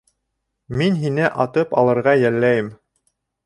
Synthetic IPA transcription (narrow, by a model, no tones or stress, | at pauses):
minɦinɘʔɑt̪ɤpɑ̰lˠɤ̆ɾʁɑjælːæjɘm